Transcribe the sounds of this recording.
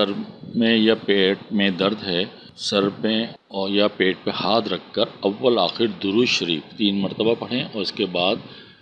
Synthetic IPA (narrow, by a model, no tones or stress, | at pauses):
sɐɾmẽjapeːʈ̚mẽd̪ɐɾd̪ɦɛː | sɐɾpẽ | ɔːjapeːʈ̚pehaːt̪ɾɐkʰːəɾɐʋːəlaːxɪɾd̪ʊɾuːʃɐɾiːft̪iːnmɐɾt̪əbapɐɽ̤ẽʔɔːɾɪskebaːd̪